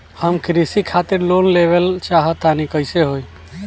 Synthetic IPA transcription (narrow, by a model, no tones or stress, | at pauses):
həmkɾisikʰat̪ɪɾloːnleʋəlt͡ʃaːɦət̪ːanikəɪseɦoːi